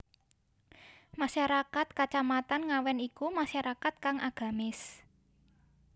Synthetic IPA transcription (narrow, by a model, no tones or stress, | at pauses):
maʃaɾakat̪̚kat͡ʃamat̪anŋawɛnikumaʃaɾakat̪̚kaŋʔaɡ̥a̤mɪs